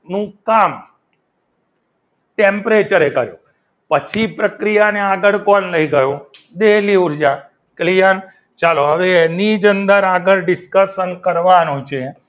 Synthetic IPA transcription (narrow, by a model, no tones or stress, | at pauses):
nũkam | ʈempɾet͡ʃəɾekəɾjo̰ | pət͡ʃʰipɾəkɾijaneaɡəɽkɔnləiɡəjõd̪eliuɾd͡ʒa | klijən | t͡ʃaloɦəʋeːnid͡ʒənd̪əɾaɡəɾɖɪskəsənkəɾʋanũt͡ʃʰe